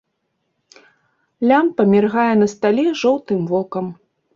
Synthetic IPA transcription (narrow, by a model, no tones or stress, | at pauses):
lʲampɐmʲɛrɣajɛnɐst̪alʲiʐɔwt̪ɨmvɔkɐm